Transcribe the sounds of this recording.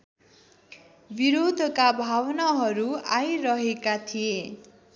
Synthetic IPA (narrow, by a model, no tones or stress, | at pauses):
biɾod̪ʱʌkabʱawnaɦʌɾuajɾʌɦekat̪ʰie